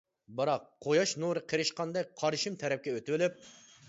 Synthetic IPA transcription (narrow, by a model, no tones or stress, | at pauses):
bɨɾɑq̚ʰojɑʃnuɾɨqʰəɾɨʃqɑnd̪ɛk̚ʲqʰɑɾɨʃɨmt̪ʰɛɾɛp̚kʲɛøt̪wɪlɪp̚